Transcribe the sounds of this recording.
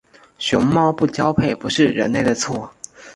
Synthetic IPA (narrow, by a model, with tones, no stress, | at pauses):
ɕʊ˧˥ŋmɑ˥˧ʊpu˥˩t͡ɕjɑ˥ʊpʰe˥˩ɪpu˧˥ʂɻ̩˥˩ɻə̰˧˥nle˥˩ɪd̪ə˩t͡sʰwɔ˥˩